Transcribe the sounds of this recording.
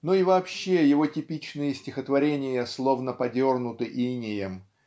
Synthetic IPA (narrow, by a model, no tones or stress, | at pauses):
noivɐːpɕːe̞jɪvo̞tʲɪpʲit͡ɕnɨjəsʲtʲɪxət̪vɐɾʲenʲɪjəslˠo̞vnəpɐdʲo̞rnʊt̪ɨʔinʲɪjəm